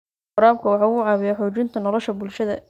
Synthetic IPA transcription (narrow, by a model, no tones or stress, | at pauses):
ʊɾaːb̚kʰɐwɑħɑːʊʕɑːβɪjɐħɔːt͡ʃɪnt̪ʰɐnɔlɔʃɐbʊlʃɐðɐ̰